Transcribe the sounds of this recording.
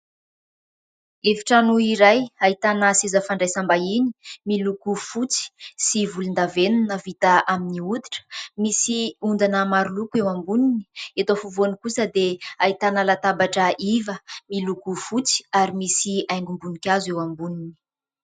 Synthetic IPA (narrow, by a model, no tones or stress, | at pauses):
eviʈ͡ʂanuiɾajait̪anəsezəfaɳɖ͡ʐajsambaini̥milukufut͡si̥sivulind̪avenunəvit̪aʔaminiud̪i̥ʈ͡ʂə̥misiund̪anəmaɾulukewambunini̥et̪ofuvuanikusəd̪eait̪anəlat̪abaʈ͡ʂəʔivəmilukufut͡si̥aɾimisiajŋɡumbunikʲazewambunini̥